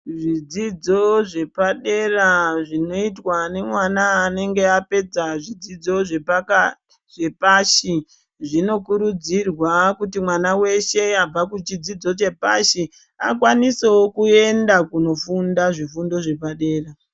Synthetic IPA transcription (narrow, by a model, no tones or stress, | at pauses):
ʐid͡zid͡zo̞ʐe̞paɗe̞raʐino̞itwane̞mwanaːne̞ŋɡe̞ape̞d͡zaʐid͡zid͡zo̞ʐe̞paka | ʐ̥e̞paːʃi | ʐino̞kuɾud͡zirwakutimwanawe̞ʃe̞ab͡vakut͡ʃid͡zid͡zo̞t͡ʃe̞pa̰ʃi | a̰kwanisewokue̞ndakuno̞fundaʐifundo̞ʐe̞paɗe̞ːra